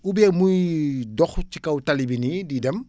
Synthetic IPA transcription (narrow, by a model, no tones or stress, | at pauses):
ubɛmujdɔxt͡ʃikawtalibinididəm